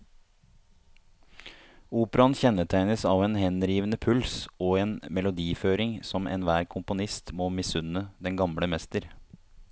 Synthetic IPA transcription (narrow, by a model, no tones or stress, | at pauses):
uːpəɾɑnçɛnːəʈ̪ʰæɪnəsɑːʋeːnhɛnɾiːʋənəpʰʉlsoːeːnmɛlʊd̪iːføːɾɪŋsɔmʔɛ̰ːnʋæːɾkʰʊmpʊnɪst̪moːmɪsʉnəd̪ɛŋɡɑmɽəmɛst̪əɾ